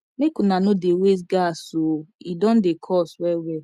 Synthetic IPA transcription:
mekunanʊdewes̬ɡasoidɔ̃n̩dekʰɔswɛwɛ

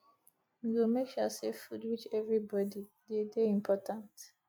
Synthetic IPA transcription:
miɡomekjɔseffudwit͡ʃɛvɹibɔdi | dedeĩmpʰɔtʰãnt

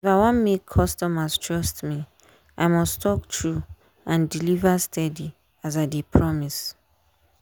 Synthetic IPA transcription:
ifaɪwɔ̃nmekʰːɔstɔmastʰɹɔstmi | ʔaɪmɔstʰɔktʰɹu | ãndilivastʰɛdi | az̬adepʰɹɔmis

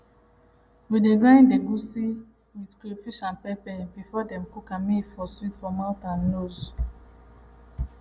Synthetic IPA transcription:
wideɡɹãj̃ndeɡusi | widkefiʃãnpɛpɛ̃nbifɔdɛ̃mkokãmifɔstɹitfɔmawtãnːoz

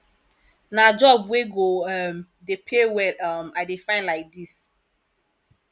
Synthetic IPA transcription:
nad͡ʒɔbweɡoɛm | depʰewɛlamadefãɪ̃nlaɪk̚dis

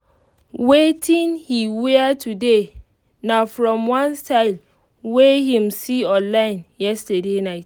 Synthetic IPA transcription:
wetʰĩnhiweatʰude | nafɹɔ̃mwãnstaɪl | wehĩmsiɔ̃nlãɪ̃njɛstədenaɪt

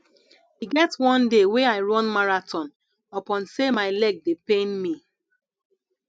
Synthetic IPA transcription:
hiɡɛtwɔ̃ndeweaɪɹɔ̃nmaɹatʰɔ̃n | ɔpɔ̃nsemaɪlɛɡ̚depẽnmi

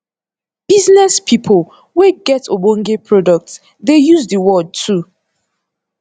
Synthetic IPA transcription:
b̥iznɛspʰipʰol | weɡɛtobõŋɡepʰɹɔdɔk̚ts | dejuzdəwɔd̚tʰu

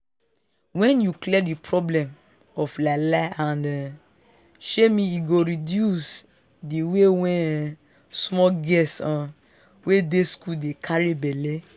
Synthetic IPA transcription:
wɛ̃njuklɛdipʰɹɔblɛ̃m | ɔflalaãnd | ʃemĩiɡoɹidjus | diwewɛ̃ | smɔɡɛsɔ̃ | wedeskuldekʰaɹibɛle

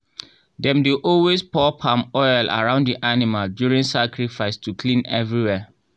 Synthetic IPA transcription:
dɛ̃mduʔɔlwespʰɔpʰãmɔɪla̰ɹãʊ̃ndiʔanimaldjuɹĩŋsakɹifaɪstʰukʰlĩnɛvɹiwɛ

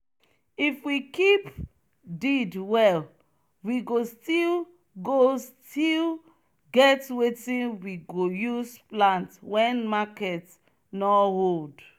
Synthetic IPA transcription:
ifwikip | didwɛl | wiɡostil | ɡostil | ɡɛtwetĩnwiɡojusplãntwɛ̃nmakɛt | nɔhold

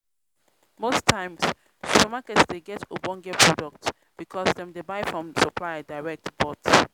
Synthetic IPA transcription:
mostʰãɪ̃ms | ʃupəmakɛtsdeɡɛtʰobɔ̃ŋɡɛpʰɹɔdɔk̚t | b̥ikʰɔsdɛ̃mdebaɪfɹɔ̃msɔpʰlajdaɪɹɛk̚tb̥ɔt

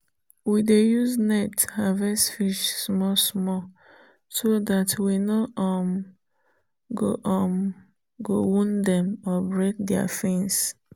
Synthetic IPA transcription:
widejuznɛthavɛsfiʃsmɔsmɔ | sodatwinɔɔm | ɡo̰ʔɔm | ɡowũndɛ̃mɔbɹek̚dɛa̰fĩns

